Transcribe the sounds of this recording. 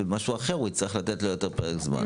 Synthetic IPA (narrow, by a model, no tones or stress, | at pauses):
emaʃuaχeʁuitt͡slʁiχlat̪etlojo̞te̞ʁpeʁekzma̰n